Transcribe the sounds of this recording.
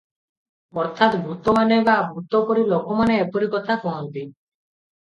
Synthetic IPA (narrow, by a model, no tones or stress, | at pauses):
ɔɾt̪ʰat̪bʱut̪ɔmanebabʱut̪ɔkoɾilokɔmaneepoɾikɔt̪ʰafɔɦɔnt̪i